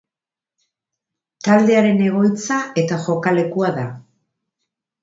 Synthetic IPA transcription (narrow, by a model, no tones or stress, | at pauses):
t̪ald̪e̞aɾe̞ne̞ɣ̞o̞jt͡saʔe̞t̪aʝo̞kale̞kuaða